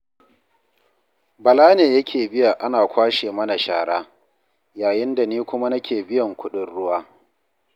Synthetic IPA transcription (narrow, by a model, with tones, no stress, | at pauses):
bɐ˨laː˦neː˨jɐ˦kʲʰeː˨bɪ˦ja˨ʔa˦naː˨kʷaː˦ʃeː˨mɐ˦na˨ʃa̰ː˨ɽaː˦ | jaː˨jɪ˦nda˨niː˦kʷʊ˦ma˦nɐ˦kʲeː˨bɪ˦jɐ˨ŋkʷʊ˦ɗʊ˦nɽʊ˦waː˦